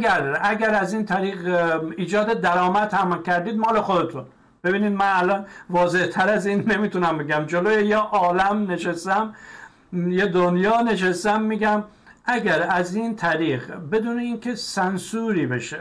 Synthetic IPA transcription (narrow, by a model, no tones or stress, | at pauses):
ɡæɾæɡæɾæziːnt̪ʰæɾiːɣiːd͡ʒɒːd̪ed̪æɾɒːmæd̪hæmlkʰæɾd̪iːd̪mɒːlexod̪et̪ʰun | b̥e̞biːniːd̪mænælɒːnvɒːze̞ht̪ʰæɾæziːnːe̞miːt̪unæmbeɡæmd͡ʒolojejeʔɒːlæmne̞ʃest̪æm | jed̪onjɒːne̞ʃ̬est̪æmːiːɡæm | ʔæɡæɾæziːnt̪ʰæɾiːɣbe̞d̪uːne̞iːnkʰe̞sænsuːɾiːbe̞ʃe